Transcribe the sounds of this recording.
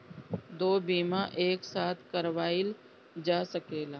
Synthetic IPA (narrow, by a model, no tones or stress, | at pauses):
d̪oːbiːmaʔeːksaːt̪ʰkɐɾʋaːɪl | d͡ʒaːsəkeːlaː